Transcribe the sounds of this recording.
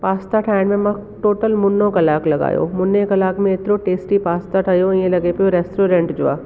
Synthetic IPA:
paːst̪aʈʰaːɪnmẽmɐ̃ʈoːʈəlmʊnːõkɐlaːklɐɡa̰ːjo̰ːmʊnːekɐlaːkmẽɪt̪ɾõʈeːsʈipaːst̪aʈʰajõẽlɐɡepeoɾɛːsʈɾoːɾẽɳʈd͡ʒʊa̰ː

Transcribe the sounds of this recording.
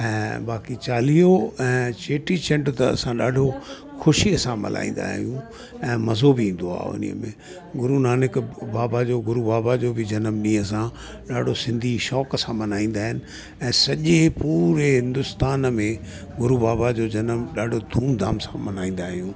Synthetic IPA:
ɛ̃ːbaːkit͡ɕaːlijoɛ̃ːt͡ɕeːʈit͡ɕɛ̃ɳʈt̪ɐɐ̰sãɗaːɖʱo | xʊʃiəsãmɐ̰la̰ːĩn̆d̪a̰ːɦijũ | ɛ̃ːmɐzobiĩːn̆d̪oa̰ːʊ̰nḭə̰mḛ̃ | ɡʊɾunaːnɪkbaːbad͡ʑoːɡʊɾubaːbad͡ʑoːbɪd͡ʑɐnəmɗĩːəsã | ɗaːɖʱosɪ̃nd̪ʱiʃɔːkəsãmɐnaːĩːn̆d̪aːɦɪnɪ̆ | ɛ̃ːsɐʄepuːɾeɦɪ̃nd̪ʊst̪aːnmẽ | ɡʊɾubaːbad͡ʑod͡ʑɐnəmɗaːɖʱod̪ʱuːnd̪ʱa̰ːmsã̰mɐnaːĩːn̆d̪aːɦijũː

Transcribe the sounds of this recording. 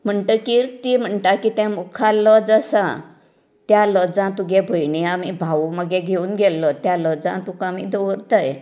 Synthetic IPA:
m̤əɳʈ̪əːkiɾt̪im̤əɳʈakit̪ɛ̃mukʰalɔd͡zəsã̰ | t̪jalɔd͡zãt̪uɡʱebʱəjɳiamibʱauməɡeɡʱeuːnɡʱelːɔt̪jalɔd͡zã̰t̪ukaamḭd̪owəɾt̪əj

